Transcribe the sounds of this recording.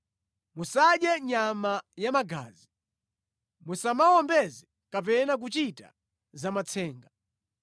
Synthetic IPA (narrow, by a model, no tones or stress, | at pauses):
musaɗjɛɲamajamaɡa̰ːzi | musamawɔmbɛzɛ | kap̬ɛnak̬ut͡ʃita̰ | zamat͡sʰɛːŋɡa